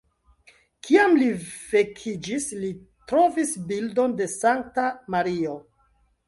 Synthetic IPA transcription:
kʰiamliv̥e̞kʰid͡ʒisli | tɾo̞visbildo̞nde̞saŋk̚tamaɾio

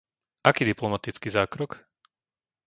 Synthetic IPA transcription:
ʔakiːd̪iplɔmat̪it͡skiːzaːkɾɔk

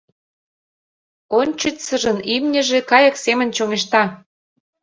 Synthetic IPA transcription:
onʲt͡ɕət̪sə̆ʒə̆nimnʲə̆ʒekɑjə̆ksemə̆nʲt͡ɕomeʃt̪ɑ

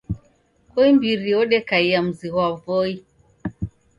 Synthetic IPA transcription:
kɔimbiɾiɔɗɛkaiam̩ziɣwavɔi

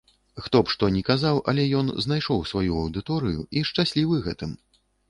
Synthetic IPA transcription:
xt̪ɔpʂt̪ɔnʲɛkazawʔɐ̰lʲɛjɔnznajʂɔwsvajuɐwd̪ɨt̪ɔɾɨjṵiʂt͡ʂasʲlʲivɨɣɛt̪ɨm

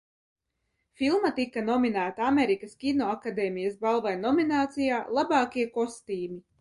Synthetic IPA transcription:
filˠmat̪ikːanɔminæːt̪aameɾikɐskʲinɔakad̪eːmijɐsbalˠvajnɔminaːt̪sijaːlˠabaːkʲiɛkɔst̪iːmi

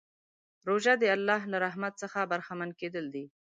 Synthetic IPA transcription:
ɾoʒad̪əalːɑɦlaɾaɦmat̪səxabaɾxamanked̪əld̪i

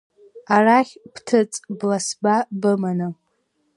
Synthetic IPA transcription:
araχʲpʰtʰɨt͡sʼblasbabɨmanɨ

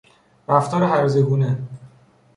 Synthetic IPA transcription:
ɾæft̪ʰɒːɾeɦæɾzeɡuːne

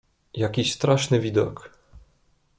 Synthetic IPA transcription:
jakʲiɕst̪ɾaʂnɘvʲid̪ɔ̰k

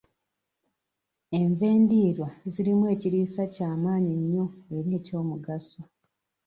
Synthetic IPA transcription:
e̞ɱve̞ːndiːɾwaziɾimwe̞ːciɾiːsacaːmaːɲiɲːo̞eɾeːco̞ːmuɡaso

